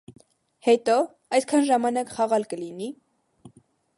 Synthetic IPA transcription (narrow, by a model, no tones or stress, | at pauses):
hɛt̪ɔ | ɑjskʰɑnʒɑmɑnɑkχɑʁɑlkəlini